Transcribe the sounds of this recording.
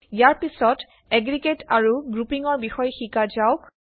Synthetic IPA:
jaɹpisɔt | eɡɹiɡetaɹuɡɹupiŋɔɹbixɔjxikazaʊk

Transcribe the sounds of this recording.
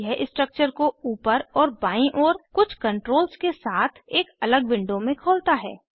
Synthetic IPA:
jɛɦɪsʈɾək̚t͡ʃəɾkouːpəɾɔːɾbaːĩʔɔːɾkʊt͡ʃʰkə̃ɳʈɾoːlskesaːt̪ʰeːkɐləɡʋɪ̃ɳɖomẽkʰoːlt̪aɦɛ̰ː

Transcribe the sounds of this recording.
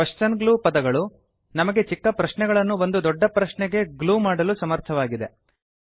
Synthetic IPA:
ɐʂt͡ʃɐnɡɭuːpɐd̪ɐɡɐɭu | nɐmɐɡe̞t͡ʃikːɐpɾɐʃnɛɡɐɭɐnːuʋond̪ud̪ɔɖːɐpɾɐʃɳɛɡe̞ɡluːmaːɽɐlusɐmɐɾt̪ʰɐʋaːɡid̪e̞

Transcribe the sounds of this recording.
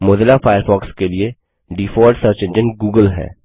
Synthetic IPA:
moːd̪əlafaːjəɾfɔːkskelie | ɖiːfɔːɾɖsəɾt͡ʃə̃nd͡ʒə̃nɡuːɡəlɦɛ̰ː

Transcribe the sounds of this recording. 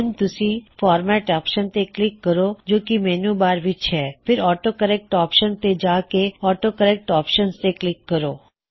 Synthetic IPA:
nt̪ʊsĩfɔːɾmɛʈɔːpʃənt̪eklɪkːəɾod͡ʒoːkimɛnũbaːɾʋɪt͡ʃʰɛpʰɪɾɔːʈokəɾɛk̚ʈɔːpʃənt̪ed͡ʒakeɔːʈokəɾɛk̚ʈɔːpʃənst̪eklɪkːəɾoː

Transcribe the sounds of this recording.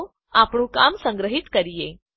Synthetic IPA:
apɳuːkamsə̃ŋɡɾəɦit̪kəɾije

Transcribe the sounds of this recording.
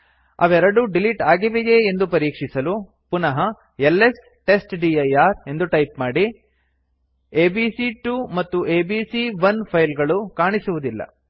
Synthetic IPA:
ɐ̰ʋɛɾɐɽuɖiliʈaːɡiʋejeːnd̪upɐɾiːkʂisɐlu | punɐɦɐ | elːes | ʈe̞sʈɖiɐjaːɾe̞nd̪uʈɐjpmaːɽi | eːbiːsiʈumɐt̪ːuʔeːbisiʋɐnpʰɐjlɡɐɭukaːɳisuʋud̪ilːɐ̰

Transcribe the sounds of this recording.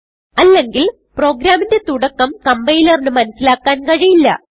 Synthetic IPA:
ɐlːe̞ŋɡil | pro̞ːɡɾaːmindet̪uɽɐkːɐmkɐmbɐjlɐrnɨmɐnɐsːilaːkːaːnkɐɻijilːɐ̰

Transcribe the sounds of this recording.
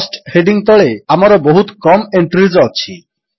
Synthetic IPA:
sʈheɖiŋt̪ɔɭeamaɾoboɦut̪kɔmeɳʈɾizɔt͡ɕʰi

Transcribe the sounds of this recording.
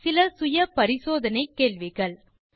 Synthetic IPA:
sɪlɐsʊjɐpɐɾɪsoːðɐnɐɪkːeːɭʋɪɣɐɭ

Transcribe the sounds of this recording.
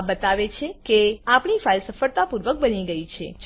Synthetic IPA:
bət̪aʋet͡ʃʰekeapɳifailsəfəɭt̪apuɾʋək̚bəniɡəit͡ʃʰed͡ʒ

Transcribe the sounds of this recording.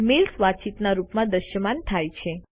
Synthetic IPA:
melsʋat͡ʃit̪naɾupmãd̪əʃəmant̪ʰajt͡ʃʰe

